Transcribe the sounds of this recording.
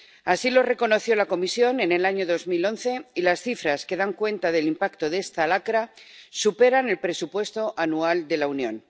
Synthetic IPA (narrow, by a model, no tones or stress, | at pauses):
asilo̞re̞ko̞no̞θjo̞lako̞misjo̞ne̞ne̞laɲo̞ðo̞zmilo̞nθe̞ilasθifɾaske̞ðaŋkwe̞nt̪aðe̞limpakt̪o̞ðe̞st̪alakɾasupe̞ɾane̞lpɾe̞supwe̞st̪o̞ʔanuald̪e̞launjõ̞̰n